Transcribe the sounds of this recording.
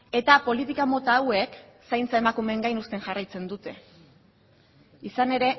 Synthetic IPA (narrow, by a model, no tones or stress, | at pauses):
e̞t̪apo̞lit̪ikamo̞t̪awe̞k | sajnt͡sae̞makume̞ŋɡajnust̪e̞ŋʝarajt͡se̞nd̪ut̪e̞ | isane̞ɾe̞